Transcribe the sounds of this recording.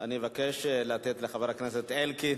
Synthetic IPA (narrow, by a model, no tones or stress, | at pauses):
animevakeʃlat̪et̪leχaveʁakneset̪elki